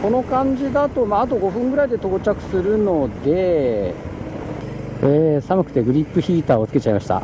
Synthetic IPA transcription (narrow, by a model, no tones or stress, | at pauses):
ko̞no̞kãɲd͡ʑid̪at̪o̞maːt̪̬o̞ɡo̞ɸɯ̟̃ŋɡɯ̟ɾaid̪e̞t̪o̞ːt͡ɕakɯ̟̥sɨɾɯ̟no̞d̪e̞ | eːsamɯ̟kɯ̟̥t̪e̞ɡɯ̟ɾʲipːɯ̟çiːt̪aːo̞t͡sɨ̥ke̞t͡ɕaimaɕi̥t̪a̰